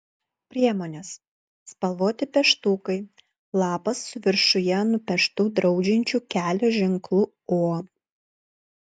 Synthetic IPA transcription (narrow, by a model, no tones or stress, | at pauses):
pʲɾʲiɛmoːnʲes | spɐlˠʋoːt̪ʲɪpʲɛʃt̪uːkɐɪ | lˠɑːpɐsːʊʋʲɪɾʃʊjɛnʊpʲɛʃt̪uːd̪ɾɒʊd͡ʒʲɪnʲt͡ʃʲuːkʲæːlʲoːʒʲɪŋklˠʊ | oː